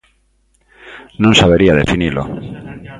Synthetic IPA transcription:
nõŋsaβeɾiaðefinilo̰

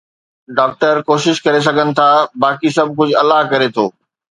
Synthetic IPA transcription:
ɖaːk̚ʈəɾkoːʃɪʃkɐɾes̬ɐɡʱənɪ̆t̪ʰaːbaːkisɐb̚ʱk̬ʊd͡ʑʱʊɐlaɦkɐɾet̪ʰoː

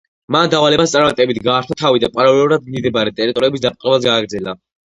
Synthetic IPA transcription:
mand̪avalɛbast̪sʼaɾmat̪ʼɛbit̪ʰɡaːɾt̪ʰat̪ʰavid̪apʼaɾalɛuɾad̪̚mid̪ɛbaɾɛt̪ʼɛɾit̪ʼɔɾiɛbisd̪ap̚ʼqʼɛbazɡaːɡɾd̪zɛla

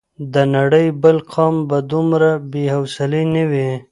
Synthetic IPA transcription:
d̪ənaɽəjbəlqʰɑmbad̪umɾabehawsɪlenəwi

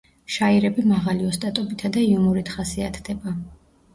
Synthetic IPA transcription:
ʃaiɾɛbimaʁaliɔst̪ʼat̪ʼɔbit̪ʰad̪aiumuɾit̪ʰχasiat̪ʰd̪̥ɛba

